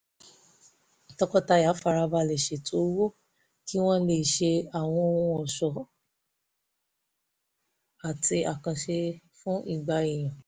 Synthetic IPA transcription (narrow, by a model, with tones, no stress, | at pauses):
tɔ˧kɔ˦ta˧ja˨˦fa˧ɾa˧ba˧˨lɛ˨ʃe˨tʰo˨˦wo˦ | ki˦w̃ɔ̃˦le˦˨ʃe˧a˨w̃ɔ̃˧ũ˧ɔ˨ʃɔ˨ | a˨tʰi˧a˨kã˨ʃe˧ | fũ˦i˦˨ɡ͡ba˧e˨j̃ã˨